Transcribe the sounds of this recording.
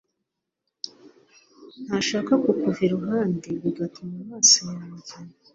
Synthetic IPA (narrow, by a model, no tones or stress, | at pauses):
n̥haʃaːkakukuveɾuɦaːndiɾuɡatʰumamaːsojamauɟina